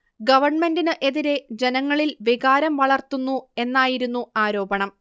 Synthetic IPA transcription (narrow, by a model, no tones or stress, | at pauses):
ɡɐʋɐrɳme̞ndinɨʔe̞ðiɾe̞d͡ʑe̞nɐŋːɐɭilʋiɣaːɾɐmʋɐɭɐrt̪unːue̞nːaːjiɾunːuaːɾo̞ːbɐɳɐm